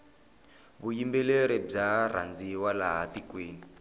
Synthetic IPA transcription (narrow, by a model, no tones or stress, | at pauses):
βujimbɛleɾɛb͡ʐara̰nd͡ziwalaɦatikweːni